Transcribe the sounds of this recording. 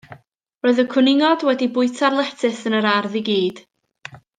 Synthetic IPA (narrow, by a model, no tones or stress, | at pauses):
roːɨðəkʰʊnɪŋɔdwɛdibʊɨtʰarlˠɛtʰɨθənəɾarðiɡiːd̥